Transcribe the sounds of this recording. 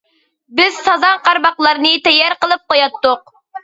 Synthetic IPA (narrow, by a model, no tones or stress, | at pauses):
bɪz̥sɑzɑŋqɑɾbɑχlˠɑɾnɨt̪ɛjːɛɾqəlˠɨp̚qojɑt̪ːʊq̚